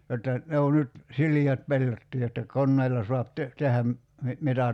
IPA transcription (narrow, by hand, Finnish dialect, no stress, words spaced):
jotːɑ ne o nyt siliæt pelːotːiː jotːɑ konːeilːɑ soɑp te tehæm mi mitæ